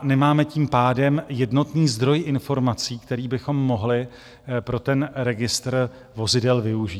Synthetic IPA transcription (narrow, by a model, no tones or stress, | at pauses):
nɛmaːmɛciːmpaːdɛmjɛdno̞t̪niːzd̪ɾo̞jʔɪnfo̞ɾmat͡siːkt̪ɛɾiːbɪxo̞mːo̞ɦlɪ | pɾo̞t̪ɛnɾɛɡɪst̪r | vo̞zɪdɛlvɪuʒiːt